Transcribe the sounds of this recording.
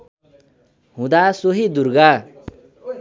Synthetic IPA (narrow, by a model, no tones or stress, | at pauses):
ɦũd̪asoɦid̪uɾɡa